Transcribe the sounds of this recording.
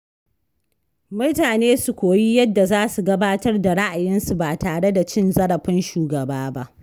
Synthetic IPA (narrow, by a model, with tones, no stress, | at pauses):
mʊ˦taː˨neː˦su˨kʷoː˨ji˦jɐ˦dːa˨zaː˦su˨ɡɐ˦baː˦tɐ˦rda˨ɽa˦ʔa˨jɪ˦nsu˨baː˨taː˨ɽe˦da˨t͡ʃɪ˦nzɐ˦ɽɐ˨ɸɪ˦nʃuː˨ɡɐ˨baː˦ba˦ʔ